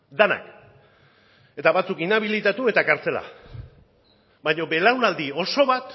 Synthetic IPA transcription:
d̪ana̰k | e̞t̪aβat͡sukinaβ̞ilit̪at̪ue̞t̪akaɾt͡se̞la̰ | bajɲo̞be̞lawnald̪io̞so̞βat̪

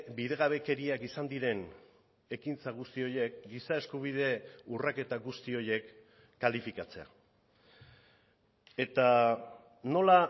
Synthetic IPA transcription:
bið̞e̞ɣ̞aβe̞ke̞ɾiakisand̪iɾe̞n | e̞kint͡saɣ̞ust̪io̞je̞kɡisaeskuβ̞iðe̞urake̞t̪aɣust̪io̞je̞kː | alifikat͡se̞̰a̰ | e̞t̪a | no̞la

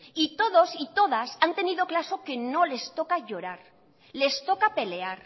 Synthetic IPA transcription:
it̪o̞ð̞o̞sit̪o̞ð̞asant̪e̞niðoklaso̞ke̞no̞le̞st̪o̞kaʝo̞ɾaɾ | le̞st̪o̞kape̞le̞aɾ

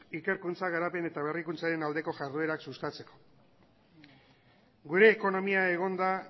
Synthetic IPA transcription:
ike̞ɾkunt͡saɣ̞aɾape̞ne̞t̪aβ̞e̞rikunt͡saɾe̞nald̪e̞ko̞ʝaɾðue̞ɾaksust̪at͡se̞ko̞̥ | ɡuɾe̞ːko̞no̞miae̞ɣ̞o̞nd̪a

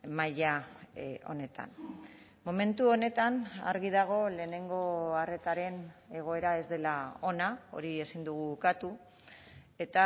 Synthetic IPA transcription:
maʎa | o̞̰ne̞t̪a̰n | mo̞me̞nt̪uo̞ne̞t̪ana̰ɾɣið̞aɣ̞o̞le̞ːne̞ŋɡo̞are̞t̪aɾe̞ne̞ɣ̞o̞e̞ɾae̞zd̪e̞lao̞nao̞̰ɾie̞sind̪uɣ̞uːkat̪u | e̞t̪a

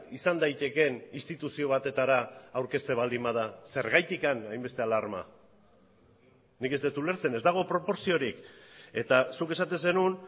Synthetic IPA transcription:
isand̪ajt̪e̞ke̞nist̪it̪usio̞β̞at̪e̞t̪aɾaːwɾke̞st̪e̞β̞ald̪imað̞ase̞ɾɣajt̪ikanajmbe̞st̪e̞alaɾma̰ | nike̞zd̪et̪ule̞ɾt͡se̞ne̞zd̪aɣ̞o̞pɾo̞po̞ɾsio̞ɾike̞t̪asuke̞sat̪e̞nse̞nun

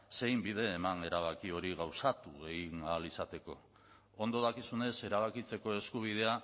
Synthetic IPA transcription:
se̞jmbið̞e̞ːmane̞ɾaβ̞akio̞ɾiɣawsat̪uɣenalisat̪e̞ko̞̰ | ond̪oð̞akisune̞se̞ɾaβ̞akit͡se̞ko̞e̞skuβ̞ið̞e̞a

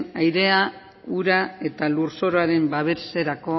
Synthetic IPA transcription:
ajɾe̞a | uɾae̞t̪alurso̞ɾoaɾe̞mbaβe̞ɾse̞ɾako̞

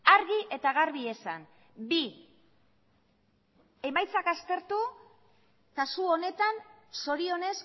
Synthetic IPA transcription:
aɾɣiʔe̞t̪aɣaɾβ̞ie̞san | bi | e̞majt͡sakast̪e̞ɾt̪u | kasuo̞ne̞t̪an | so̞ɾio̞ne̞s

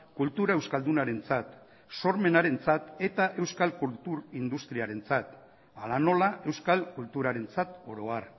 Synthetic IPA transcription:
kult̪uɾaewskald̪unaɾe̞nt͡sat̪ | so̞ɾme̞naɾe̞nt͡sat̪e̞t̪aʔe̞wskalkult̪uɾind̪ust̪ɾiaɾe̞nt͡sat̪ | alano̞lae̞wskalkult̪uɾaɾe̞nt͡sat̪o̞ɾo̞ar

